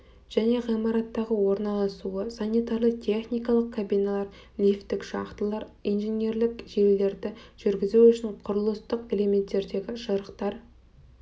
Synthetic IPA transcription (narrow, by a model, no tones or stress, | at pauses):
ʒ̥æne̞ʁijmɑɾɑt̪ːɑʁəwo̞ɾnɑlˠɑsuəsanʲijt̪ɑɾlˠət̪ʰe̞χnijkɑlˠəq̚kʰabijnalˠɑɾ | lʲift̪ːɪkʃɑ̰qt̪əlˠɑɾijnʒene̞ɾlɪkʒ̥e̞lːe̞ɾd̪ɪʒ̥ʏɾɡʲɪzuwʏʃɪɴqʰʊɾəlˠəst̪əqe̞le̞me̞nt̪ːe̞ɾd̪e̞ɡʲɪʒəɾəqt̪ɑɾ